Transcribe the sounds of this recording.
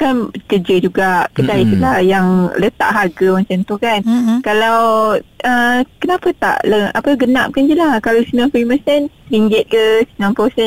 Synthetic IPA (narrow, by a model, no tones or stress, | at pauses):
kankəd͡ʒəd͡ʒuɡaʔkədaisəlajaŋlət̪a̰ʔɦaɡəwant͡ʃant̪ukankalawəkənapat̪a̰ʔləa̰pəɡənap̚kand͡ʒəlahkalasinãmpɾiməsɛnɾiɲd͡ʒɛt̪̚kəsi̥nãmposɛ